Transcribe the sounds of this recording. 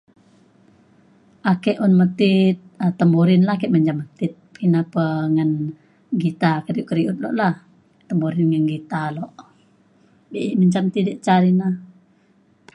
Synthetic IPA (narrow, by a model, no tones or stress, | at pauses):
ʔakɛʔunmət̪ɪt̪̚ət̪ːəmoɾɪnlahkɛʔməɲt͡ʃamət̪ɪt̪̚kənapəŋən | ɡit̪akəɾiuʔkəɾiʔut̪̚lɔ̰ʔlah | t̪əmuɾɪnŋənɡit̪alɔʔ | biʔiʔməɲt͡ʃamt̪idiʔt͡ʃaɾina